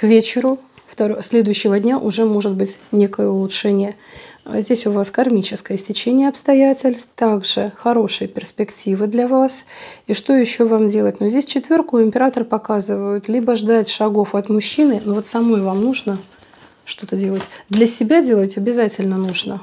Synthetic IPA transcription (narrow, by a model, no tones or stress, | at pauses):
kvʲet͡ɕɪɾʊ | ft̪ɐɾsʲlʲe̞d̪ʊjʏɕːɪvədʲnʲaʔʊʐɛmo̞ʐɨt̪̚bɨtʲnʲe̞kəjəʊlˠʊtʂɛnʲɪjə̰zʲdʲesʲʊvaskɐrmʲit͡ɕɪskəjəsʲtʲɪt͡ɕenʲɪjəɐpst̪ɐjætʲɪlʲst̪t̪aɡʐɨxɐɾo̞ʂɨjəpʲɪrspʲɪktʲivɨd̪lʲɐvasiʂt̪o̞jɪɕːovamdʲe̞lˠətʲnuzʲdʲesʲt͡ɕɪt̪vʲerkʊɪmʲpʲɪɾat̪ərpɐkazɨvəjʊt̪lʲibəʐd̪atʲʂɐɡo̞fɐt̪mʊɕːinɨnovo̞t̪sɐmojvamnuʐnə | ʂt̪o̞t̪ədʲe̞lˠətʲd̪lʲɐsʲɪbʲadʲelˠətʲɐbʲɪzatʲɪlʲnənuʐnə